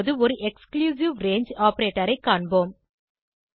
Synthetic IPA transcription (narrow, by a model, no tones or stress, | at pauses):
ðɯɔɾɯʔɛkskljuːs̬ɪʋɾeːɲd͡ʒaːpɐɾeːʈːɐɾɐɪkːaːɳboːm